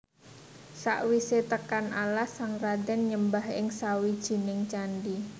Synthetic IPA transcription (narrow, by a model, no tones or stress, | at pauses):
sa̰ʔwiset̪əkanʔalasaŋrad̪ɛnɲəmbahɪŋsawid̥ʒ̥i̤nɪŋt͡ʃanɖi